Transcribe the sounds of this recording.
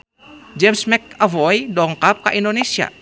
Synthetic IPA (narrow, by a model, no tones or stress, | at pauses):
d͡ʒɛmsmɛk̚avɔjdɔŋkap̚kaʔindonesia̰